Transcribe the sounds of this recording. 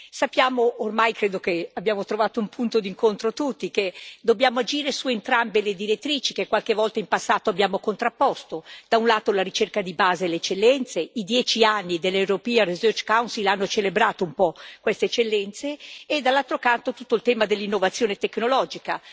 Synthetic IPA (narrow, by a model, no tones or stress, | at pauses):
sapːjaːmoʔːrmajkɾeːd̪okeabːjaːmot̪ɾovaːt̪oumpʰunt̪od̪iŋkont̪ɾot̪ut̪ːiked̪objaːmoad͡ʒiːɾesuent̪ɾambeled̪iɾet̪ːɾiːt͡ʃikekːwalkevɔlt̪aimpasːaːt̪oabjaːmokont̪ɾapːɔst̪od̪̥aunlaːt̪olaɾit͡ʃerkad̪ibaːzeleet͡ʃːelːɛnt̪seid̪jɛːt͡ʃianːid̪elːewɾopiaɾezøt͡ʃkawnsilanːot͡ʃelebɾaːt̪oumpɔkwest̪eet͡ʃːelːɛnt̪seːd̪alːalt̪ɾokant̪ot̪ut̪ːoilt̪ɛːmad̪elːinːovat̪sːjoːnet̪ekːnolɔːd͡ʒika